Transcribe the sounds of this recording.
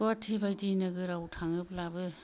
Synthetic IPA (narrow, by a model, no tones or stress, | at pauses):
ɔtʰibajtinɯɡɯɾawtʰaŋɯblabɯ